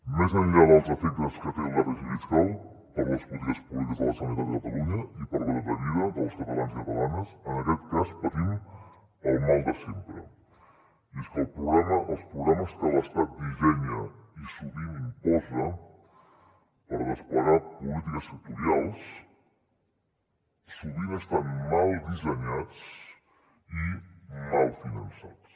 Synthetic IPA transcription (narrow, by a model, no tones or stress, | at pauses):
mɛzəʎʎaðəlˠzəfɛəlˠskət̪əɾulaɾəʒuðiskalˠ | pəɾləsput̪iəspulit̪əzðələsənəɾaəkət̪ə̰luɲəipəɾðəɾəβəɾiəðəlˠskət̪əlanzkət̪əlanəzənəkɛt̪kaspət̪im | əlˠmɔlˠd̪əsɛmpɾə | ɛskəːlˠpɾuβlɛməʔəlˠspɾuβlɛməsk̪ələst̪at̪̚d̪iʒɛɲəisuβinimpɔzə | pəɾrəspəɾapulit̪ikəsək̚t̪uɾialˠs | suβinəst̪anmalˠd̪izəɲat͡s | imalˠfinənsat͡s